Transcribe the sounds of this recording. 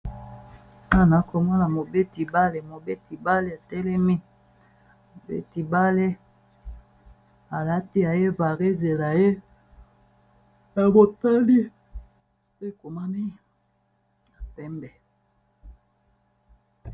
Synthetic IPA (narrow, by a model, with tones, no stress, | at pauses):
a˦˨na˨˦ko˨mɔ˦na˨mo˨be˦ti˨ba˦le˨mo˨be˦ti˨ba˦le˦a˨tɛ˦lɛ˦mi˦ | o˨bḛ˦ti˨ba˦le˦ | a˨la˦ti˦a˨je˦va˨ʁe˦ze˨la˨je˦ | a˨bo˨ta˦li˦ | se˦˨ko˨ma˦ni˦ | a˨pɛ˦mbɛ˨